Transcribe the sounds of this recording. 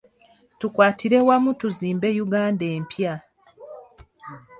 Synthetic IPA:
tukwaːtʰiɾe̞wamutuziːmbe̞juɡaːnde̞ːmpja

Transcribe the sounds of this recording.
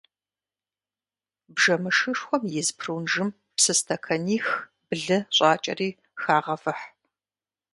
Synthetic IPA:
bʒɐmɨʂɨʂxʷɔmjɪzpʰruːnʒɨm | psɨstʰɐkʰɐniːx | bɨɮɨɕʷʼɑːt͡ʃʼɐ̰riː | xaːʁɐfɨħ

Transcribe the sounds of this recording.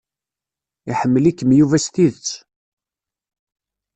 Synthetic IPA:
iħəmːəlikːəmjuvæst̪iðət͡sː

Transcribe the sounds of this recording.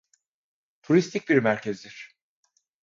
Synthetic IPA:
t̪ʰuɾist̪ʰic̚biɾmæɾcʰezd̪iɾ̥

